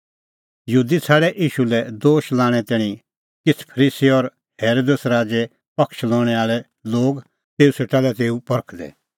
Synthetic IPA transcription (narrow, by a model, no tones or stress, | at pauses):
jɦuːd̪it͡sʰaːɽɛʔiːʃulɛd̪oːʃlãːɽ̃ɛt̪ɛːɽ̃ĩ | kɪt͡sʰpʰəɾiːsiɔɾ | heːɾoːd̪əsɾaːd͡ʒe | pɐkʃlɔːɽ̃ɛaːɭɛ | loːɡ | t̪eːuseːʈalɛt̪eːupɐɾkʰd̪ɛ̰